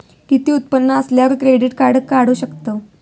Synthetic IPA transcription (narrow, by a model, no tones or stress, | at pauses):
kit̪iːut̪̚pənːəəsljaʋəɾkɾeɖiʈkaɽəkːaɽ̤uːɕəkt̪ə